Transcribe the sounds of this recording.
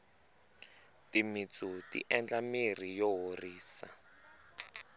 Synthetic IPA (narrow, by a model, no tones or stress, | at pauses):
timit͡sʼutḭʔɛnd͡ɮamerijɔɦoriːsa̰